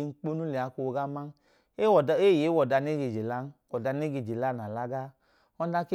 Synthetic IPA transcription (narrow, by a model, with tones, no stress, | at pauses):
ŋ̩˦k͡po˦nu˦le˨a˧ko˧˨ɡa˦ma˦n˦ | e˦ɔ˨˧˨e˦˨je˨˦wɔ˨da˧˦ne˦ɡe˨d͡ʒe˨la˦n˦wɔ˨da˧ne˦ɡe˧˨d͡ʒe˨la˦˨na˨la˦ɡa˦ | ɔ˧˦da˦ke˦